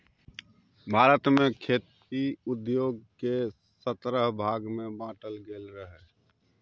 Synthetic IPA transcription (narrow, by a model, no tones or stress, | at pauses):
bʱaːɾət̪mẽkʰeːt̪ | iʊd̪joːɡ̚ke | sət̪ɾəɦbʱaːɡmẽbãːʈəlɡeːlɾəɦe